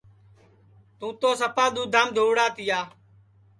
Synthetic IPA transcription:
t̪ũːt̪oːsəpaːɗ̪uːd̪ʱaːmd̪ʱoːʋɽaːt̪ɪjaː

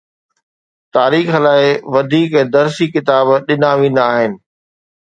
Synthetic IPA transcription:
t̪aːɾiːxlaːɪʋɐd̪ʱiːkd̪ɐɾsikɪt̪aːbɗɪnaʋĩːn̆d̪aːɦɪnɪ̆

